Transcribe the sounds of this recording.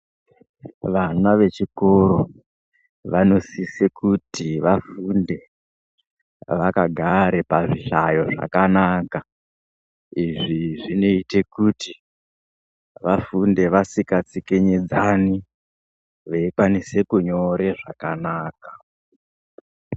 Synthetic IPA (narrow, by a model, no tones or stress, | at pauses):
ʋanaʋe̞t͡ʃiko̞ɾo̞ | ʋano̞sisekutiʋafunde̞ | ʋakaɡʱaɾepaʐiɬajo̞ʐa̰kanaːka | iʐiʐino̞ite̞kuti | ʋafunde̞ʋasikat͡sikeɲed͡zani | ʋeikwanise̞kuɲo̞ɾe̞ʐakanaːka